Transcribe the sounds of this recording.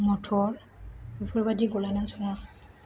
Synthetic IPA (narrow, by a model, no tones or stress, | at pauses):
mɔtʰɔɹbupʰɔɹbadiɡɔlanasɔwa